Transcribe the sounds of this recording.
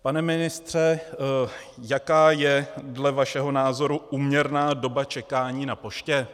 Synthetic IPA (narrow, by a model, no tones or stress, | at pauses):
panɛmɪnɪst̪r̝̥ɛ | jakaːjɛdlɛvaʃɛɦo̞naːzo̞ɾuʔuːmɲɛɾnaːdo̞bat͡ʃɛkaːɲiːnapo̞ʃcɛ